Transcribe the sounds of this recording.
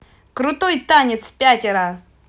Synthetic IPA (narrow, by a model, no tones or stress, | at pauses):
kɾʊt̪ojt̪anʲɪt̪spʲatʲɪɾə